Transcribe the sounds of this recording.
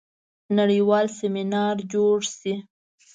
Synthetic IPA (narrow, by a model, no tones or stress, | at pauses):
naɽiwɑlseminɑɾd͡ʒoɽsi